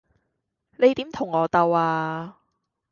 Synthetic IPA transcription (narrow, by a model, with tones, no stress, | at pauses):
ne˨˧jt̪iː˨˥mt̪ʰʊ˨˩ŋːɔː˨˧t̪ɐ˧waː˧